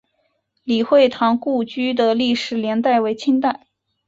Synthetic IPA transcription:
li˨˩xwe˥˩ɪt̪ʰɑ˧˥ŋku˥˩˧t͡ɕy˥d̪ə˨li˥˩ʂɻ̩˨˩ljɛ˧˥nt̪a˥˩ɪwe˧˥ɪt͡ɕʰi˥ŋt̪a˥˩ɪ

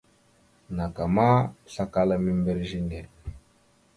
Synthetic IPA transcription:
na˨ka˨ma˦ɬa˦ka˦la˦mi˦mbe˦ɾʒi˦ne˨

